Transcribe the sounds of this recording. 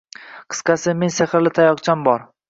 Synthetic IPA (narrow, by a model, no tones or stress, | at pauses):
qʰɨ̥sqɑsɪmenseχɾlɪt̪ʰajɒqt͡ʃʰambɒɾ